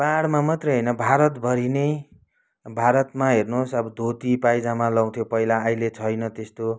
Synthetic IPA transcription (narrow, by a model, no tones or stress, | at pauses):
paɽmamʌt̪rʌjɦʌjnʌbʱaɾʌt̪bʱʌɾinej | bʱaɾʌt̪maɦernosʌbʌd̪ʱot̪ipajd͡zamalʌw̃t̪ʰjopʌilaʌjlet͡sʰʌjnʌt̪est̪o